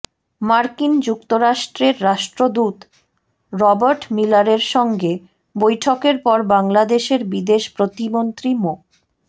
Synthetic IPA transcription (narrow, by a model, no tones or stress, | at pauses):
maɾkind͡ʑuk̚t̪oɾaʃʈɾeɾːaʃʈɾod̪ut̪ | ɾɔbaɾʈmilaɾeɾʃɔŋɡe | bojʈʰokeɾpɔɾbaŋlad̪eʃeɾbid̪eʃpɾot̪imont̪ɾimo